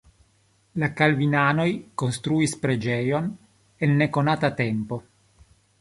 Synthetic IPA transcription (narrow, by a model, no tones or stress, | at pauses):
lakalvinano̞jkonst̪ɾuispɾed͡ʒejon | enːekonaːt̪at̪empo̞